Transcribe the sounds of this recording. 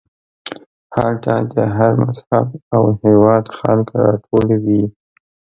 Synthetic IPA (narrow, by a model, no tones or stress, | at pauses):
halt̪ad̪əɦaɾmashabawhewɑd̪xɑ̰lkɾɑ̰ʈʰolawi